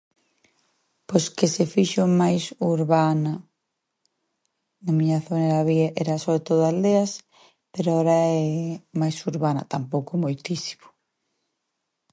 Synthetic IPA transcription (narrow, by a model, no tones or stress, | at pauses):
poskesefiʃomajsuɾβana | namĩɲaθoneɾaβiaʔɛɾasoβɾet̪oðʊald̪eas | peɾoaoɾaɛmajsuɾβanɐ̰t̪ampowkomojt̪isi̥mo̥